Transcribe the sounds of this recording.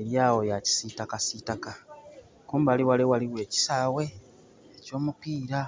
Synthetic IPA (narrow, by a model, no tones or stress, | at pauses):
eɾjaːwo̞jaci̥sitakasitaka | kuːmbaliwalewaliwe̞ːci̥saːwe̞ː | co̞ːmupiːɾa